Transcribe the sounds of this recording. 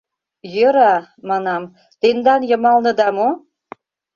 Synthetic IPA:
jøɾɑmɑnɑm | t̪end̪ɑnjɤ̆mɑlnɤ̆d̪ɑmo

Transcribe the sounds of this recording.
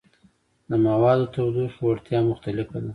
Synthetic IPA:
d̪əmawɑd̪ot̪awd̪uʃwaɽt̪jɑmʊxt̪alɪfad̪a

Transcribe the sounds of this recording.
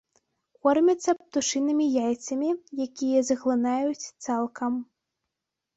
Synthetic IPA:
kɔrmʲɐt̪sːɐp̚t̪uʂɨnɨmʲijajt̪sɐmʲijakʲijɐzɐɣlˠɨnajut͡sʲt̪salˠkʰɐm

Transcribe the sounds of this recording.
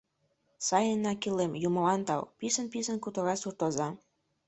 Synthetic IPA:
sɑjənːɑkilemjuməlɑnt̪ɑ̰wpisənpisənkut̪oɣɑsurt̪ozɑ

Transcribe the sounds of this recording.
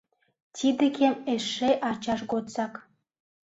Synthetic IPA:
tʲid̪ĕkʰemeʃːeʔɑt͡ɕɑʃɣot͡sɑk

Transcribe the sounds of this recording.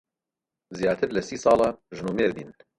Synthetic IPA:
zijaːt̪ʰɨɾlɛsiːsɑːlɑʒnuːmeːɾbiːn

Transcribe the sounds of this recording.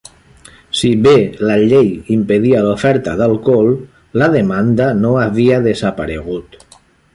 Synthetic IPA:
siβelaʎejimpeðialufɛɾt̪aðalˠkol | laðemand̪anoaβiaðezapaɾeɣ̞ut̪

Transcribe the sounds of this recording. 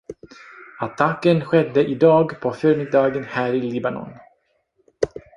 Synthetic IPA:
at̪ʰakːənɧɛd̪ːəʔɪd̪ɑːɡpʰɔfœːɾmɪd̪ɑːɡənhæːɾɪliːbanɔ̰n

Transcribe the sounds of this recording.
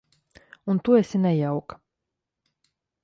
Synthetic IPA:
unt̪uɛsʲinɛjawk

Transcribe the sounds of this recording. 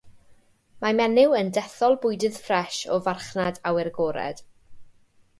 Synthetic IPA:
mamɛnɪwəndɛθɔlˠbʊjdɨð̥frɛʃɔvarχnadawɪrɡɔːɾɛ̰d̥

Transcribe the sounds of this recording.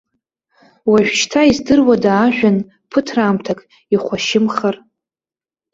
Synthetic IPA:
waʒᶣʷt͡ʃʰtʰaizdɨrwadaːʒᶣan | pʰɨtʰraːmtʰakʼ | iχʷaʃɪmχar

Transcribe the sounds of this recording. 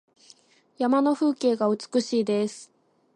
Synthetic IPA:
jamano̞ɸɯ̟ːke̞ːɡaɯ̟t͡sɨ̥kɯ̟ɕiːd̪e̞sɨ̥

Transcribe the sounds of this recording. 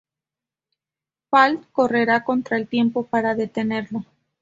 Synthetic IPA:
falt̪ko̞re̞ɾako̞nt̪ɾaelt̪je̞mpo̞paɾaðe̞t̪e̞ne̞ɾlo̞

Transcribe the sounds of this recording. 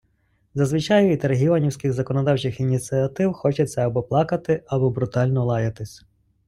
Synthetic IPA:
zɐzʋɪt͡ʃɑjʊit̪ɐɾɦʲiʋɐnʲiwsʲkɪɣzɐkɔnɔd̪ɑwt͡ʃɪxinʲisʲiɐt̪ɪwxɔt͡ʃɛt͡sʲːɐɐbɔplˠɑkɐt̪ɪɐbɔbɾʊt̪ɑlʲnɔlˠɑjɐt̪ɪsʲ

